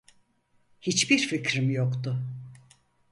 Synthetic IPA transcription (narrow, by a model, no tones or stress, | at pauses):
hit͡ʃbiɾficɾimjokt̪ʊ